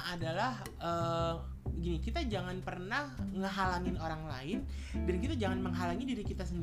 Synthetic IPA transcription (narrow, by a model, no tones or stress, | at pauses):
adalah | ʔəː | bəɡinikit̪ad͡ʒaŋanpərnahŋəɦalaŋɪnoɾaŋla̰ɪndankit̪ad͡ʒaŋanməŋɦalaŋidiɾikit̪asənd